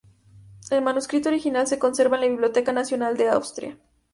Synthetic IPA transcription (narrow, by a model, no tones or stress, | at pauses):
elmanuskɾit̪oɾixinalse̞ko̞nse̞ɾβaenlaβiβ̞ljo̞t̪e̞kanasjo̞nald̪e̞awst̪ɾj̰a̰